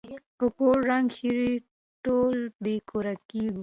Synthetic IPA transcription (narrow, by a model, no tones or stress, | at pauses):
pəkoːɾɾaŋɡʃiɾi | ʈoːlbekoɾakiɡu